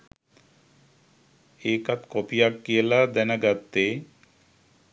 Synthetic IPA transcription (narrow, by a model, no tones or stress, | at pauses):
ekat̪kɔpijakːielad̪ɛnaɡat̪ːe